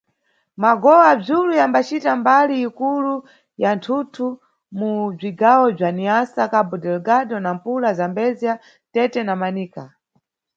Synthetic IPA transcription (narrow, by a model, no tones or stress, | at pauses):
maɡɔwab͡ʐulujambat͡ʃitambaliːkulu | jantʰutʰu | mub͡ʐiɡawɔb͡ʐaniasakabudɛlɡadɔnampulazambɛzija | tɛtɛnamaniːka